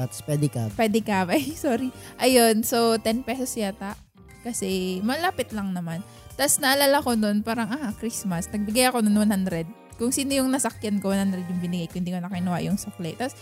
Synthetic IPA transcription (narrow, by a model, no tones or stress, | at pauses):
at̪spɛd̪ɛkapwɛd̪ɛkɐbɐjsoːɾiʔɐjonso̞t̪ɛnpɛsosjat̪aʔ | kɐsɛmɐlaːpɪt̪lɐŋnɐman | t̪asnɐʔɐlaːlako̞nonpaːɾɐŋʔahakɾismɐsnɐɡ̚bɪɡajɐko̞nɐnwɐnhand̪ɾɛd̪̚ | kʊŋsiːnojʊŋnɐsɐkjankowɐnhand̪ɾɛd̪jʊŋbɪnɪɡajkʊnnd̪iːkonɐkɐʔɪnɐwaʔjʊŋsɐklɛt̪as